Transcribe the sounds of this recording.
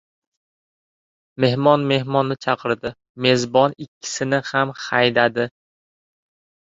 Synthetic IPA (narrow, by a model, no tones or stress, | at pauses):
me̞hmɒnme̞hmɒnːɪt͡ʃʰɑqʰɨɾd̪ɪ | me̞zbɒnɪkʲʰːɪ̥sɪnɪhamhajd̪ad̪ɪ